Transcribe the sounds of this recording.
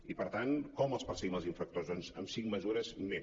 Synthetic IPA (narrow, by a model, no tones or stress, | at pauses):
ipəɾt̪ankɔməlˠspəɾsəɣiməlˠziɱfɾək̚t̪ozd̪ɔnzəmsiŋməzuɾəzme